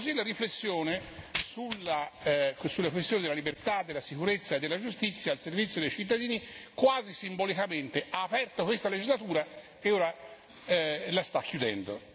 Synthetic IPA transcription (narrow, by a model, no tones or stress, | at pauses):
kozilaɾiflesːjoːnesulːa | sulːakwest̪joːned̪elːalibert̪ad̪ːelːasikuɾet̪sːaed̪ːelːad͡ʒust̪it̪sːjaːlservit̪sjod̪ejt͡ʃit̪̬ːad̪iːnikwaːzisimbolikament̪eaːpɛrt̪okwest̪aled͡ʒizlat̪uːɾa | eoːɾa | last̪akʰːjud̪ɛ̰nd̪o̰